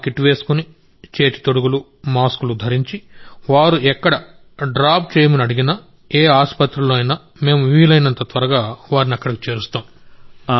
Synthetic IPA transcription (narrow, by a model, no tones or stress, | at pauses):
kiʈːʋe̞ːsu̥kuni | t͡ʃe̞ːt̪i̥t̪oɽuɡulu | maːskulud̪ʱɐɾiɲt͡ʃiʋaːɾuɛkːɐɽɐ | ɖɾaːp̚t͡ʃeːjɐmunɐɽiɡinɐ | eːaːspɐt̪ɾɐloɐjnɐ | me̞ːmuʋiːlɐjnɐnt̪ɐt̪ʋɐɾɐɡaːʋaːɾiniɐkːɐɽɐki̥t͡ʃe̞ːɾust̪aːm